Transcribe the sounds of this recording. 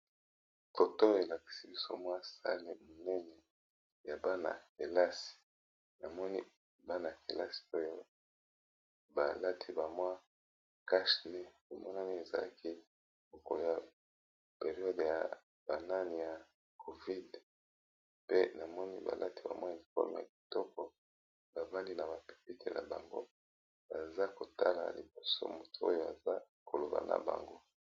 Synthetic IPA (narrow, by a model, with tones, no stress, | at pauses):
fo˨to˦e˨la˨ki̥˨si˦bi˦so̰˦mwa˦sa̰˦li˦mo˨nɛ˦nɛ˨ | ja˨ba˦na̰˨ke˨la˦si̥˨ | na˨mɔ˦ni˦ | ba˦na˨ke˨la̰˦si̥˨o˦jo˦ | ba˨la˦tʰi˦ba˨mwa˦ | ka˦ʃne˦ko˨mɔ˦na˦ni˦e˨za̰˨la̰˦kʰi˦ | bo˨ko̰˨lja˨ | pe˨ʁi˨ɔ˦dja̰˨ | b̥a˨na˦ni˨ja˨ | kʰo˨vi˦d | pe˦na˨mɔ˦ni˦ba̰˨lʔa˦ti˨ba˨mwa˦˨li˨fɔ̰˦m˨a̰˨ki̥˨tɔ˦kɔ˨ | b̥a˨ba˦nli˦na˨ba˨pi̥˨pi˦tʰe˨na̰˨ba̰˨ŋɡo̰˦ | ba˨za˦ko˨ta˦la̰˨li˨bo˨so̰˦mo˨tu˦o˦jo˦˨a˨za˦ | ko˨lo˨ba̰˨na̰˨ba̰˨ŋɡo˦